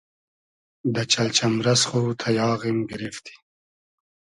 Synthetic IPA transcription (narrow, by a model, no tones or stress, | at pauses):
d̪ət͡ʃalt͡ʃʰamɾasχut̪ʰajɑːɣimɡɪɾift̪i̥